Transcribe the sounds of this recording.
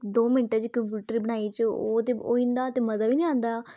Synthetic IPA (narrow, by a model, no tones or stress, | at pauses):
d̪oːmɪnʈeːd͡ʒikə̃mpjuːʈɾiːbəɽ̃aːiːt͡ʃoːt̪eo̰ːĩnd̪aːt̪eːməzaːʋiːnĩãːnd̪aː